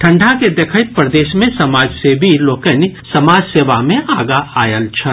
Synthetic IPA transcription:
ʈʰɐ̃ɳɖʱaked̪ekʰəɪt̪̚pɾəd̪eːʃmẽsɐmaːd͡ʒsebʱiloːkənsɐmaːd͡ʒseːʋamẽʔaːɡaaːjəlt͡ʃʰɐ

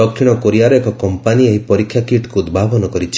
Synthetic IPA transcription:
ɔkʃiɽ̃ɔkoɾijaɾɔekɔkɔmpanieɦipɔɾikʰːjakiʈkuːd̪bʱabɔnɔkɔɾit͡ʃʰ

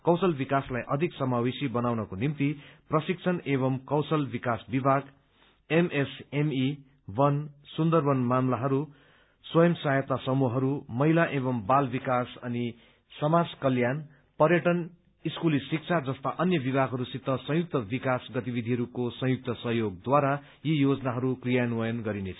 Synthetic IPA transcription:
kʌwsʌlbikaslajʔʌd̪ʱiksʌmawesibʌnawnʌkonimt̪iprʌsik̚t͡sʰʌneβʌmkʌwsʌlbikasbibʱaɡ | emesemi | wʌnsund̪ʌrbʌnmamlaɦʌɾu | swʌjʌmsajʌt̪asʌmuɦʌɾumʌɦilaʔeβʌmbalbikasʌni | sʌmad͡zkʌljan | pʌrjʌʈʌn | iskulisik̚t͡sʰad͡zʌst̪aʔʌnjʌbibʱaɡɦʌɾusit̪ːʌsʌ̃ɦjuk̚t̪ʌbikasɡʌt̪ibid̪ʱiɦʌɾukosʌ̃ɦjuk̚t̪ʌsʌɦjoɡ̚d̪waɾa | jijod͡zʌnaɦʌɾukrijanuwʌjʌnɡʌɾinet͡sʰʌ̥

